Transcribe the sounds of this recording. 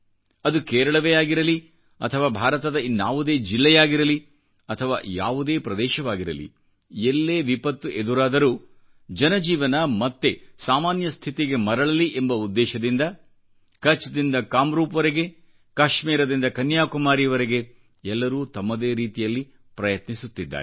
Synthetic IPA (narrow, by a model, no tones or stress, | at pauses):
ɐd̪ukɛːɾɐɭɐʋejaːɡiɾɐli | ɐ̰t̪ʰɐʋaːbʱaːɾɐt̪ɐd̪ɐinjaːʋud̪e̞ːd͡ʒilːɛjaːɡiɾɐli | ɐt̪ʰɐʋa̰ːja̰ːʋud̪e̞ːpɾɐd̪ɛːʃɐʋaːɡiɾɐ̰lḭ | elːeːʋipɐt̪ːuʔed̪uɾaːd̪ɐɾuː | d͡ʒɐnɐd͡ʒiːʋɐnɐmɐt̪ːe̞saːmaːnjɐst̪ʰit̪iɡe̞mɐɾɐɭɐliʔembɐud̪ːɛːʃɐd̪ind̪ɐ | kɐt͡ʃːd̪ind̪ɐkaːmɾuːpɐʋɐɾeɡe̞ | kaːʃmiːɾɐd̪ind̪ɐkɐnjaːkumaːɾijɐʋɐɾeɡe̞ | ɛlːɐɾuːt̪ɐmːɐd̪eːɾiːt̪ijɐlːi | pɾɐjɐt̪nisut̪ːid̪ːa̰ːɾe